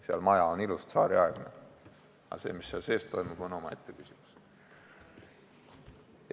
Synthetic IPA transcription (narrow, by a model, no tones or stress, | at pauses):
seɑ̰lmɑjɑonilust̪sɑːɾiɑɛɡ̥ne | ɑ̰se̞̰ːmisːeɑlse̞ːst̪ːo̞jmub̥o̞no̞mɑe̞t̪ːekysimus